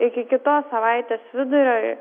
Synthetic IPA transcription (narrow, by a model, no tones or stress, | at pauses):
ɪkʲɪkʲɪt̪oːssɐʋɑɪt̪ʲeːsʋʲɪd̪ʊɾʲoːj